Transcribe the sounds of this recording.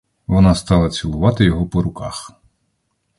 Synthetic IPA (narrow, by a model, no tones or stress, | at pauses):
ʋɔnɑst̪ɑlˠɐt͡sʲilˠʊʋɑt̪ɪjɔɦɔpɔɾʊkɑ̰x